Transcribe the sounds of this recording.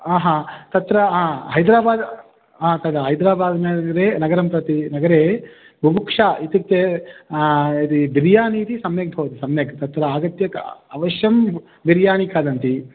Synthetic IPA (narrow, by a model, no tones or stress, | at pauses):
aːɦãːt̪ɐt̪ɾɐɦãːɦɐjd̪ɾaːbaːd̪ | ɦãːt̪ɐd̪ɐɦɐjd̪ɾaːbaːd̪nɐɡɾeːnɐɡɐɾɐmpɾɐt̪inɐɡɐɾeː | bʱubukʂaːit̪it̪e | it̪id̪iɾjaːniːt̪isɐmjɐk̚bʱɐʋɐt̪isɐmjɐkt̪ɐt̪ɾɐaːɡɐt̪jɐkɐʋɐʃjɐm | biɾjaːnikaːd̪ɐnt̪i